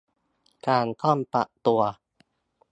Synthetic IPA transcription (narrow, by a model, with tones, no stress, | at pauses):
kaː˧nkʰɔ˥˩˨npa̰˨˩ʔt̪u˧ɐ